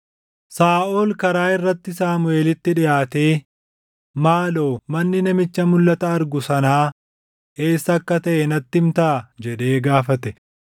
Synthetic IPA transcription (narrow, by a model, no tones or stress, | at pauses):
saːʔoːlkɐɾaːɪrːɐt̪ːɪsaːmʊe̞ːlɪt̪ːɪᶑɪjaːt̪e̞ː | maːlo̞ːmɐnːɪnɐmɪt͡ʃːɐmʊlːɐt̪ɐːɾɡʊsɐnaː | ʔe̞ːsːɐɐkːɐt̪ɐʔɛnɐt̪ːɪmt̪ɐʔɐd͡ʒɛᶑe̞ːɡaːfɐt̪ɛ